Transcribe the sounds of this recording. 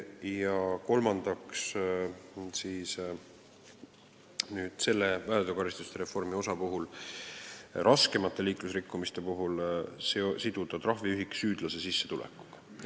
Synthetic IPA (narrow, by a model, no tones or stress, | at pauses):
jɑko̞lmɑnd̪̥ɑks | siːs | nyːd̪̥se̞lːe̞væed̪ekɑɾist̪ust̪eɾe̞fo̞rmio̞sɑpuɦul | rʔɑske̞mɑt̪ːˑe̞liːklusrikːˑumist̪e̞puɦulsesid̪̥ud̪̥ɑt̪rɑɦviyɦiksyːd̪̥lɑse̞sisːe̞̥t̪ulɛ̰kːˑu̥ɡ̥